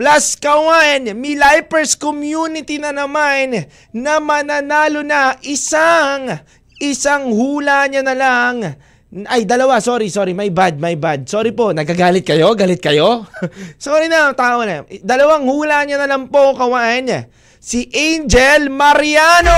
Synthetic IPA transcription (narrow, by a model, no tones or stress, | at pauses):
plaskɐwanmilajpɛɹskomjunɪt̪inɐnɐmanː | ɐmɐnɐnaːlo̞nɐʔɪsaŋ | ʔɪsaŋhuːlaɲanɐlaŋ | ʔɐjd̪ɐlɐwasoːɾisoːɾimɐjbad̪̚mɐjbad̪̚soːɾipo̞nɐɡaɡaːlɪt̪̚kɐjo̞ɡaːlɪt̪̚kɐjo̞soːɾinɐt̪aːʔonɐd̪ɐlɐwaŋhuːlaɲanɐlaŋpo̞kɐwaʔn | siʔɛjnd͡ʒɛlmɐɾiano